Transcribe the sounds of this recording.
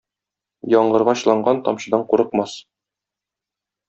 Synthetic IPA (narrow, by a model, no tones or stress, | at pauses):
jɒɴɢɤ̆ɾʁɑɕlˠɑɴɢɑnt̪ɒ̰mɕɤ̆d̪ɑɴquɾɤ̆q̚mɑs